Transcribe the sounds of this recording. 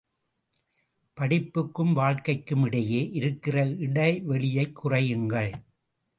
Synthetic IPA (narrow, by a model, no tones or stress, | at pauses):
pɐɽɪpːɯkːɯmʋaːɻkɐɪkːɯmɪɽɐjeːʔɪɾɯkːɪrɐɪɽɐɪʋɛɭɪjɐɪkʰːʊrɐjɯŋɡɐɭ